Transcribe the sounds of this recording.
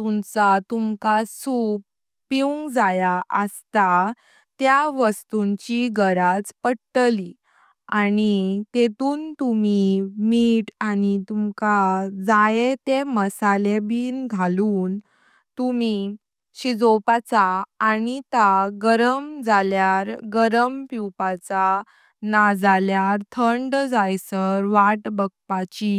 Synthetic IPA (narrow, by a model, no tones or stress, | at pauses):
t̪umt͡sat̪umkasuːk̚ | piũŋɡd͡zajaʔəst̪a | t̪jaʋəst̪uɲt͡ɕiɡəɾat͡spəɽʈəli | anit̪et̪uːnt̪umimiʈanit̪umkad͡zajet̪eməsalebiːnɡʱaluːn | t̪umi | ɕid͡zopat͡saːnit̪aɡəɾəmd͡zaljaɾɡəɾəmpiwpat͡sa | nad͡zaljaɾt̪ʰəɳɖd͡zajsəɾʋaʈbəɡ̚pat͡ɕi